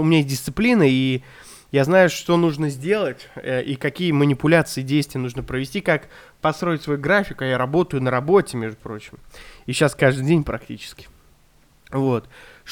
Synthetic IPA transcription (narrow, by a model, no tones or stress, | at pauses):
ʊmʲɪnʲajes̬ʲt̚ʲdʲɪst̪sɨplʲinəi | jaznajʊʂt̪o̞nuʐnəzʲdʲe̞lˠətʲʔikɐkʲijəmənʲɪpʊlʲat̪sɨɪdʲejst̪vʲɪjənuʐnəpɾəvʲɪsʲtʲikak | pɐst̪ɾo̞ɪtʲsvɐjuɡɾafʲɪkʊajaɾɐbo̞t̪əjʊnəɾɐbo̞tʲɪmʲeʐd̪ʊpɾo̞t͡ɕɪmiɕːaskaʐd̪ɨdʲenʲpɾɐk̚tʲit͡ɕɪ̥skʲɪ̥ | vo̞t̪ʂ